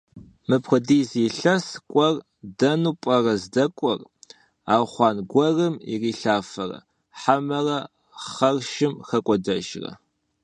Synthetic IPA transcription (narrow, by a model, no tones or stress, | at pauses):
mɨpχʷədiːziːɬɐskʷʼɔr | dɐnuːpʼɐrɐzdɐkʷʼɔr | aːχʷɑːnɡʷɔrɨmḭriːɬaːfɐrɐ̰ | ħamɐrɐ | χɐrʃɪmxɐkʷʼɔdɐʒrɐ̰